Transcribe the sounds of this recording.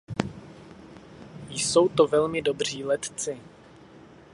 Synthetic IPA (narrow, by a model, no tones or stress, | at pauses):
jso̞wt̪o̞vɛlmɪdo̞br̝iːlɛt̪t͡sɪ